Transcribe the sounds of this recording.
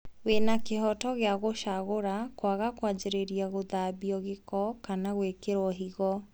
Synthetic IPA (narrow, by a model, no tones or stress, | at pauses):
ɣwenakeɦɔtɔɣeaɣoʃaɣoɾakwaɣakwad͡ʑeɾeɾiaɣoðabiɔɣekɔkanaɣwekeɾɔɦiɣɔ